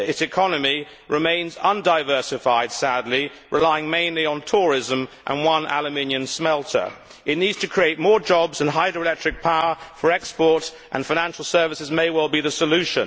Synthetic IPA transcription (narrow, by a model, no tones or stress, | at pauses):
ɪtsɨkʰɑnɨmi | ɹɨmẽɪ̃nzʌ̃ndaɪvɜ˞sɨfaɪd̥sædˡli | ɹʔɪlaɪɪ̃ŋmẽɪ̃nliə̃ntʰɔɹɪzə̃mʔə̰̃nwʌ̃nʔæ̰lˠɨmɪ̃njɨ̃nsmɛlˠtʰə̰˞ | ɨtⁿnidz̥tʰɨkʰɹ̥ieɪt̚mɔɹd͡ʒɒbzə̃nɦaɪdɹəɪlɛk̚t͡ʃɹ̥ɨk̚pʰaʊə˞fə˞ɛkspɔɹt | ʔə̃nfaɪ̃næ̃nʃl̩ˠsɜ˞vɨsɨzmeɪwɛlˠbiðɨsəlʉʃə̰̃n